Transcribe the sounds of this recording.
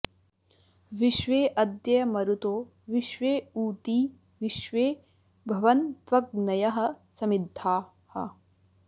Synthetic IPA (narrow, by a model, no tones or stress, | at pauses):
ʋiʃʋeːʔɐd̪jɐjɐmɐɾut̪oː | ʋiʃʋeːuːt̪iː | ʋiʃʋeː | bʱɐʋɐnt̪ʋɐk̚nɐjɐɦɐ̆sɐmid̪ʱːaː | hɐ̰